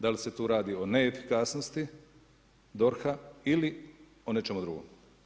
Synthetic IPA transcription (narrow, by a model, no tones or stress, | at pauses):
d̪alise̞t̪uːɾaːd̪iːone̞ːfi̥kasnost̪i | d̪o̞ɾxaili | one̞t͡ʃe̞mud̪ɾuɡo̰m